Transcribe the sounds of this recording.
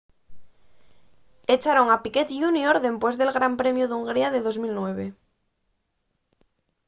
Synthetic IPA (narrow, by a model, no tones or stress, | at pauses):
et͡ʃaɾoŋapiket̪junjoɾðe̞mpwe̞zðe̞lɣɾampɾe̞mjuðuŋɡɾiaðeðozmilnweβ̞e